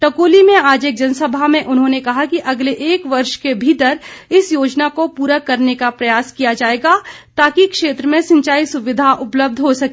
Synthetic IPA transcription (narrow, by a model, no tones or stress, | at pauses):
ʈɐkoːlimẽaːd͡ʒeːk̚d͡ʒɐnəsɐbʱamẽʔʊnɦõnekɐɦakiʔɐɡleʔeːkʋɐɾʃkebʱiːt̪əɾɪsjoːd͡ʒnakopuːɾakɐɾnekapɾɐjaːskijad͡ʒaːeːɡat̪aːkikʃeːt̪ɾəmẽsɐ̃ɲt͡ʃaːisʊʋɪd̪ʱaʔʊpləb̚d̪ʱɦosɐkː